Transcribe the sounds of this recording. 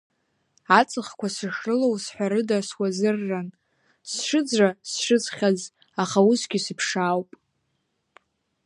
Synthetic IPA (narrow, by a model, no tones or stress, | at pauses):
at͡sʼɨχkʷasɨʂrɨlowsħʷaɾɨdaswazɨrːan | sʂɨd͡zrasʂɨt͡sχʲaz | aχausɡʲisɨpʰʂaːwpʼ